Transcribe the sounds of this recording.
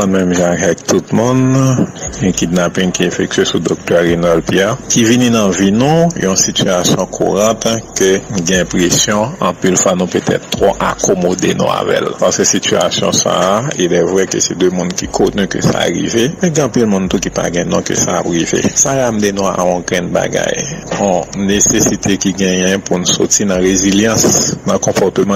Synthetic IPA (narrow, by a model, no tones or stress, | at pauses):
ũnmɛ̃mʒakaɛk̚t̪ut̪mũn | ɛ̃kid̪napĩnkiefɛk̚t̪ɥesud̪ok̚t̪ɛːenɔlpjɛkivininɐ̃vinũjɔ̃sit̪yasjɔ̃kʰṵʁãt̪køn̩ɡɛ̃pʁesjɔ̃ɑ̃pilfwanũpøt̪ʰɛ̰t̪ːʁoʔa̰kʰɔmod̪ḛnṵ̃a̰vɛ̰lpasøsit̪yasjɔ̰̃sa̰ilɛvʁɛkø̰sɛd̪ømũnkikʰɔ̃tnykø̰sa̰ɣḭvemɛ̃ɡ̃ãpilmũnt̪ukipa̰ɡɛ̃nɔ̃kø̰saːpɣivḛsalam̩d̪enũa̰ɔ̃ɡɛ̃nba̰ɡa̰jɔ̃nesesit̪ʰekiɡɛ̃jɛ̃punũsɔ̰tinɐ̃ʁeziljãsnɐ̃kɔ̃pɔt̪ømã